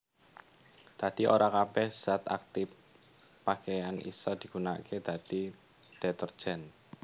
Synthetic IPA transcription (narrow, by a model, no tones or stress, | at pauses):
d̪̥a̤d̪̥iʔo̰ɾakabɛhz̥at̪a̰k̚t̪ɪf | pakejanʔḭsɔd̪̥i̤ɡ̥una̰ked̪̥ä̤d̪̥i | d̪̥ɛt̪ər̥d͡ʒ̥ɛn